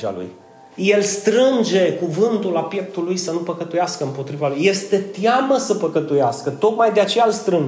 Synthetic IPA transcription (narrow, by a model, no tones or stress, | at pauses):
a̰lṵj | je̞lst̪ɾɨnd͡ʒe̞kuvɨnt̪ulapjek̚t̪ulujsənupəkət̪ujaskəɨmpo̞t̪ɾivalujːe̞st̪e̞t̪jaməsəpəkət̪ujaskət̪o̞kmajd̪eat͡ʃe̞jalst̪ɾɨn